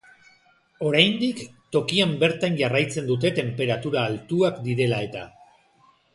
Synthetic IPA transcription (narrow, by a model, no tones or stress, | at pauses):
o̞ɾajnd̪ikt̪o̞kiambe̞ɾt̪anʝarajt͡se̞nd̪ut̪e̞t̪e̞mpe̞ɾat̪uɾaːlt̪uakd̪iɾe̞lae̞t̪a̰